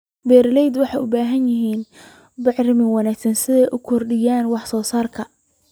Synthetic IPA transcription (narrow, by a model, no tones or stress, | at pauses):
bɛːɾlɛjd̪wɑħɑjʊ̰baːɦɐnjɪɦiːn | bɪʕrɪmɪŋwɑnaːɡsɐnsɪðɛjʔʊkʰɔrɖɪjaːnwɑħsɔːsaːrkʰɐ